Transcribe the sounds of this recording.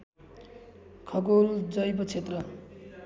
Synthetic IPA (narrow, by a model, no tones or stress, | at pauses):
kʰʌɡold͡zʌjbʌt͡sʰet̪rʌ